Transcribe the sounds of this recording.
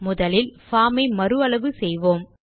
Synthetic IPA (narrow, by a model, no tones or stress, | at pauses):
mʊðɐlɪlfaːmɐɪmɐɾɯɐɭɐʋɯsɛjʋoːm